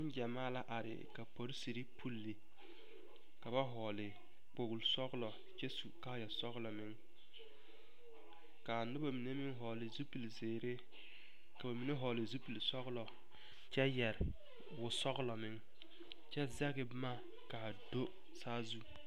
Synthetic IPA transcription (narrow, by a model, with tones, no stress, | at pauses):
ɪ˦n˦d͡ʒɛ˨maː˦la˦ʔa˨ɾɪ̰˨ka˨po˨ɾsi˨ɾi˦pʰu˦lːɪ˨ | ka˨ba˦ɦɔː˨lɪ˨ | k͡po˨ɣʊ˨lsɔ˦ɣlɔ˨ | t͡ʃɛ˦su˨ka˦jɛ˨sɔ˦ɣlɔ˨mɪ˦ŋ | ka˨nʊ˦ba˦˨mi˨ne˦mɪ˦ŋɦɔː˨lɪ˨zu˦pi˨lzeː˨ɾe˦ | ka˨ba˨mi˨ne˦ɦɔː˨lɪ˨zu˦pi˨lsɔ˦ɣlɔ˨ | t͡ʃɛ˦jɛ˨ɾɪ˨ | wʊ˨sɔ˦ɣlɔ˨mɪ˦ŋ | t͡ʃɛ˦zɛ˦ɣɪ˦bmaː˦ | ka˨do˦ | saː˦zu˦